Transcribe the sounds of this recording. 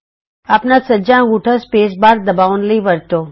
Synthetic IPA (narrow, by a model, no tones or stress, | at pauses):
apnasəd͡ʒãɡuʈʰəspesbaɾd̪əbaʋonliʋəɾt̪o